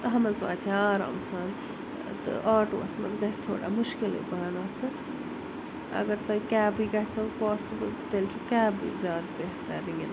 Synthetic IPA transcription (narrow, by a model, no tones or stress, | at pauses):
t̪ɨɦɐmɐzʋa̰ːt̪ʰiaːɾa̰ːmsan | t̪ɨ̰ʔaːʈo̰ːɐsmɐ̰zɡɐt͡ʃʰt̪ʰo̰ːɽa̰mʊʃkilḭbaːnɐt̪ɨ | ɐ̰ɡɐɾt̪ɐikaːbijɡɐt͡ʃʰsɐpaːsibɨlt̪elʲt͡ʃʰukaːbḭːzjaːd̪beɦt̪aɾiŋɡin